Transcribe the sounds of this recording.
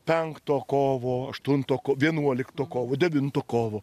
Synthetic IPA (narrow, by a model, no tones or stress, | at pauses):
pʲɛŋkt̪oːkoːʋoːɐʃt̪ʊnt̪oːkoːʋʲiɛnuɔlʲɪkt̪oːkoːʋoːd̪ʲɛʋʲɪnt̪oːkoːʋoː